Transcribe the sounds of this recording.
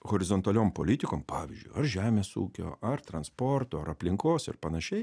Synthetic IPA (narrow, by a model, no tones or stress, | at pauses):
ɣoːɾʲɪzont̪ɐlʲoːmpoːlʲɪt̪ʲɪkoːmpɑːʋʲɪ̰zʲd͡ʒʲʊ̰ɪɐɾʒʲæːmʲeːsṵːkʲo̰ːɐɾt̪ɾɐnspoɾt̪oːɐɾɐpʲlʲɪŋkoːsɪ̰ɾpɐnɐʃʲɛɪ